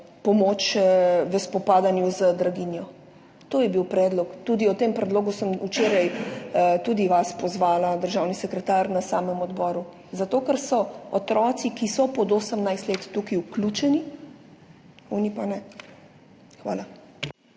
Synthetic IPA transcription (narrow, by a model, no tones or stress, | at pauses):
pɔmot͡ʃʋəspɔpaːd̪anjuzəd̪ɾaɡinjɔ | t̪oːjɛbiwpɾɛːd̪lɔkt̪ud̪iɔt̪empɾɛd̪loːɡusəmut͡ʃeːɾajt̪uːd̪iʋaspɔzʋaːlad̪əɾʒawnisɛkɾɛt̪aːɾnasaːməmɔd̪bɔːɾu | zat̪oːkəɾsɔɔt̪ɾɔːt̪sikisɔpɔd̪oːsəmnajst̪let̪ːukiuklʲut͡ʃɛni | unipanɛ | xʋa̰ːla